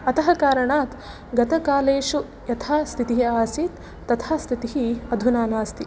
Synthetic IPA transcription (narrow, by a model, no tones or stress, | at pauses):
ɐt̪ɐɦɐkaːɾɐɳaːt̪ | ɡɐt̪ɐkaːleːʃu | jɐt̪ʰaːst̪ʰit̪iɦiaːsiːt̪ː | ɐt̪ʰaːst̪ʰit̪iɦiɐd̪ʱunaːnaːst̪ʰi